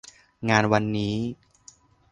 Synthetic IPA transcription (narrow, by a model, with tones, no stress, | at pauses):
ŋaː˧nwa˧nːiː˦˥